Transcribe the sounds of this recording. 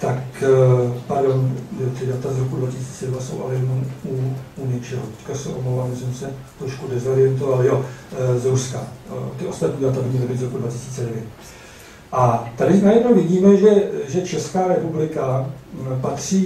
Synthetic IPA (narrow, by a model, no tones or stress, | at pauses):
t̪ak | paɾdo̞njot̪ɪdat̪azɾo̞kudvacɪsi̥ːt͡sɛɛdnaso̞̰wʔa̰lɛjɛnomuuɲɛt͡ʃɛɦot̪ɛ̥ckasɛʔomlowvalmɪsɛmsɛt̪ɾoʃkudɛzo̞ɾɪjɛnt̪o̞valjozɾuskat̪ɪʔo̞st̪at̪ɲiːdat̪abɪɲɲɛlɪbɪzɾokudvacɪsiːt͡sɛdɛvjɛt̪ | ʔat̪adɪnajɛdnowvɪɟiːmɛʒɛʒɛt͡ʃɛskaːɾɛpublɪkapat̪r̝̥iː